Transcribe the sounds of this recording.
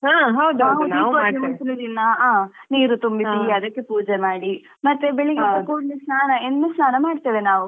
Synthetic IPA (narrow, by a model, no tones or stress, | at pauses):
ɦaːɦɐwd̪uɦɐwnːkoɾɐmɐsinɐd̪inːɐaːniːɾut̪umbisiɐd̪ɐkːepuːd͡ʒemaːɽi | mɐt̪ːebeɭiɡit̪ːɐkoːɖnesnaːnɐennesnaːnɐmaːɖt̪iːʋenaːʋu